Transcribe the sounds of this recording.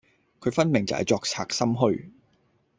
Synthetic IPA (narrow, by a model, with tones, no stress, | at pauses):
kʰɵ˨˧ɥfɐ˥nmɪ˨˩ŋt͡sɐ̰˨hɐ̰˨jt͡sɔː˧k̚t͡sʰaː˧k̚sɐ˥mɦɵ˥ɥ